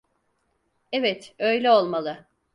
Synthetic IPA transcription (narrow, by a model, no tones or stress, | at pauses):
evɛt̪ø̞jlʲɛo̞lˠmalˠɯ